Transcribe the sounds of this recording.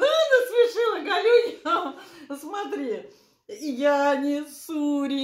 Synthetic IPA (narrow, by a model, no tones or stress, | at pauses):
lʲinəspʲɪʂɨlˠəɡɐlʲujʲ | smɐt̪ɾʲi | janʲɪsuɾʲi